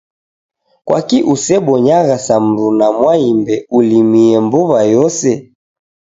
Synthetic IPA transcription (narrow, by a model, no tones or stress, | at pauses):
kwʔa̰kiʔusɛɓɔɲaɣasam̩ɾunamwaimbɛulimiɛmbuβajɔsɛ